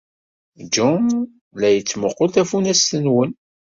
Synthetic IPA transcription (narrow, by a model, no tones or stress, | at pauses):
d͡ʒɔn | læjət͡sːmoqːolt̪æfunæstənwən